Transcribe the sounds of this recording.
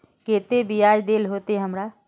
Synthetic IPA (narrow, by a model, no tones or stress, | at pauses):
keːt̪ebijaːd͡ʒd̪eːlɦoːt̪eɦɐmɾaː